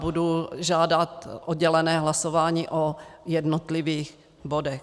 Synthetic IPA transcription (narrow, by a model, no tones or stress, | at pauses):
buduʒaːdat̪ʔodɟɛlɛnɛːɦlasovaːɲiːʔojɛdnot̪lɪviːx | bodɛx